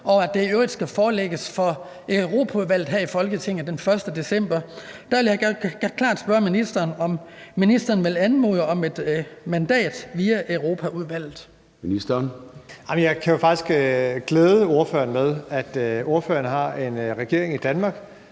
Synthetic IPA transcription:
ʔɒ̽ʊæd̥e̝øʊid̥sɡ̥æfɒːleɡ̥əsfɒ̽ | ʔøʁo̝ːpʰæuðˠʋæl̰ð̩ɦæɐ̰ifɒ̽lɡ̥ət͡sʰe̝ŋ̰n̩ˠd̥enfɶɐsd̥əd̥e̝sem̰b̥ɐd̥æʋe̝ljɑ̥kʰlɑ̰̈ːd̥sb̥ɶɐminisd̥ɐːnɒ̽mːinisd̥ɐːn̩ʋe̝lænmo̝ðˠɒ̽me̝d̥mænd̥ɛ̰ːd̥ʋiːæʔøʊʁo̝ːpʰæuð̞ˠʋæl̰ð̩ˠ | minisd̥ɐnäɪmənjɑ̈ɪkʰæjo̝fɑ̈ɡ̥isɡ̥ɡ̥leːðˠəo̝ɐfø̰ːɐnmeð̞ˠæd̥o̝ɐfø̰ːɐnɦɑ̈e̝nʁɛɡ̥e̝ɐ̰e̝ŋid̥ænmɑ̈ːɡ̥

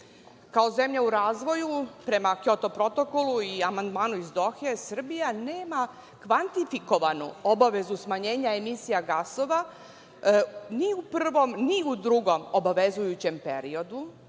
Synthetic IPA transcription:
kaoze̞mʎauɾaːzʋo̞jupɾe̞makjo̞t̪o̞pɾo̞t̪o̞ko̞luiamand̪maːnuizd̪o̞xiesr̩bijaneːma | kʋant̪ifiko̞ʋanṵobaʋe̞zusmaɲe̞ːɲaemisijaɡaso̞ʋa | niuprr̩ʋo̞mniud̪ɾuɡo̞mobaʋe̞zujut͡ɕe̞mpḛɾio̞d̪u

